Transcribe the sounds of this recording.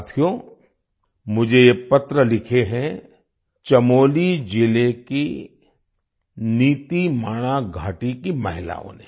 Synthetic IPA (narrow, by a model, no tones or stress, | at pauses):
t̪ʰijoː | mʊd͡ʒʱejepɐt̪ɾəlɪkʰeɦɛ̃ | t͡ʃɐmoːlid͡ʒɪleki | niːt̪imaːɽ̃aɡʱaːʈikimɐɦɪla̰ːõ̰ne